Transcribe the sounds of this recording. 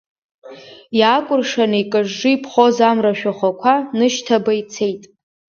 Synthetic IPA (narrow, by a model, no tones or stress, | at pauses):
jakʷʼʊrʂanɨikʼɨʐːɨipʰχozamraʃᶣaχʷakʷʰanɨʃtʰabait͡sʰejtʼ